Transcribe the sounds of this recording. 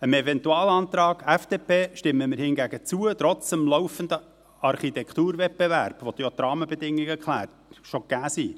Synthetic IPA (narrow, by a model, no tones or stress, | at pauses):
əmɛvɛntuɑːlɑnt̪ɾɑːɡæfd̥eːpʰeːʃtɪmːəməɾhɪnɡæɡət͡suət̪ɾɔt͡səmlɔwfəndə | ɑɾχit̪ɛkt̪uːɾvɛt̚b̥evæɾb̥vot̪jot̪ɾɑːməbɛd̪ɪŋːɪɡɛkʰlæ̰ːɾtʃoɡ̥æːsiː